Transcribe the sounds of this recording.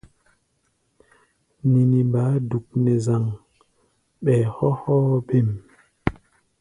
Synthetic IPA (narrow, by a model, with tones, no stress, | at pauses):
ni˨ni˨ba˨˦du˨k̚nɛ˨za˨ŋ | ɓɛː˨hɔ˦hɔ˦be˦˨m